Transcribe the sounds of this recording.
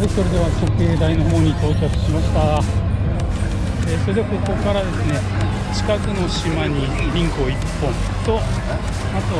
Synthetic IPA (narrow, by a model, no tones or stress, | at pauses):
ɾɯso̞ɾed̪e̞βako̞kɯ̟e̞ːd̪aino̞ɦo̞ːɲ̟it̪o̞ːt͡ɕakɯ̟̥ɕimaɕi̥t̪aɡa | eːso̞ɾed̪eko̞ko̞kaɾad̪e̞sɨne̞ | t͡ɕi̥kakɯ̟no̞ɕimaɲ̟içʲĩŋko̞ːipːõ̞nt̪o̞ | at̪o